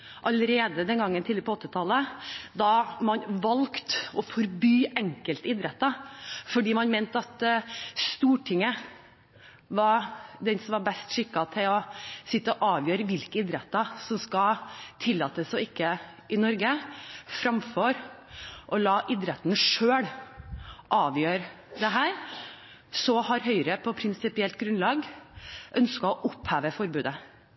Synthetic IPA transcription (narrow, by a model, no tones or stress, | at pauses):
ʔɑləɾeːd̪əd̪ɛnɡɑŋːənt̪ʰiləɾəpɔɔt̪ːɪt̪ʰɑlːəd̪ɑmɑnʋɑlkt̪ɔfɔɾbyːɛŋkəlt̪ɪd̪ɾɛt̪ːɑfɔɖiːmɑnmeːnt̪ɑt̪st̪uːʈʰɪŋːə | ʋɑɾd̪ɛnsɔmʋɑɾbɛst̪ʂɪkːɑt̪ʰɪlɔsɪt̪ːəɔʔɑːʋjøːɾəʋɪlkəɪd̪ɾɛt̪ːɑsɔmskɑt̪ʰɪlːɑːt̪əsɔɪkːə | ʔɪnɔɾɡəfɾɑmfɔɾʔɔlɑːʔɪd̪ɾɛt̪nʂøːɽ | ʔɑːʋjøːɾ | d̪ɛɦæːɾ | sɔhɑɾɦœʏɾəpʰɔpʰɾɪnsɪpɪɛlt̪̚ɡɾʉnlɑːɡʔœnskɑɔʔʊphæːʋəfɔɾbʉːd̪ə